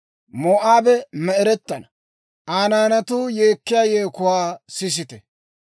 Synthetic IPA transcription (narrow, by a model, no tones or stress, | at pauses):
moːʔaːbɛmɛɛɾɛt̪ːɐnɐ | ʔaːnaːnɐt̪uːjeːkːɪjaːjeːkʊwaːsɪs̬ɪt̪ɛ